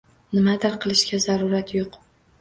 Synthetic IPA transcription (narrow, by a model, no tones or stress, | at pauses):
nɪmad̪aɾqʰɨlˠɪʃkʲazaɾʊɾat̪ʰjoq